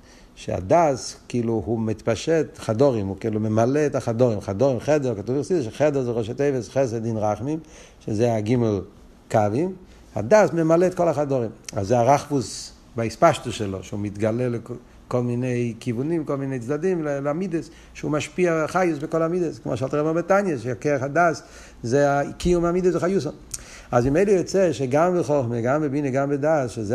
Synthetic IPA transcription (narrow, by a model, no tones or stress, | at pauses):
ʃḛa̰daːskiːluhumit̪paʃetχadoʁimukiːlumemaleːtaχadoʁimχadoʁimχɛdɛʁkatuviχsideʃ̬eχɛdɛzeʁoʃ̬et̪ejvesχes̬edinʁaχmim | ʃezeaɡimel | kavim | a̰daːsmemaleːtkolaχadoʁima̰zːeaʁaχvus | baɪspaʃtʊsʃɛlo̰ʃumɪtɡalɛl | kɔlˠmineɪkivunimkɔlˠmineɪt͡sdadimllamidəs | ʃuːmaʃpiaχajʊsbɪkɔlamidəskɪmo̰ʃaltʁɛbabətanjəʃakeaχadaːs | zeakijumamidəsbɪχajus̬ɔn | azbɪmeɪləjɔt͡sɛʃeɡambɪχɔχməɡambɪbinəɡambɪdasʃeze